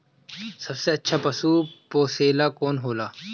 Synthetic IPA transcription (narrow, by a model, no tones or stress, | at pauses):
sɐbseɐtːʃʰaːpɐsuːpoːseːlaːkoːnɦoːlaː